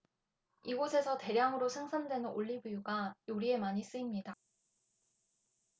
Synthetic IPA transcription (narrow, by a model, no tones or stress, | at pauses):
iɡosʰe̞sʰʌte̞ɾjaŋɯɾosʰeŋsʰandwe̞nɯnoʎːibujuɡajoɾie̞maɲis͈ɯimɲida